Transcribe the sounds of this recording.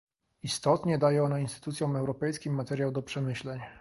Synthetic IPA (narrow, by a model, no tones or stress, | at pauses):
ist̪ɔt̪ɲɛd̪ajɛɔnainst̪ɘ̥t̪ut̪sʲjɔ̃m̃ɛwɾɔpɛjskʲimːat̪ɛɾʲjawd̪ɔpʂɛmɘɕlɛɲ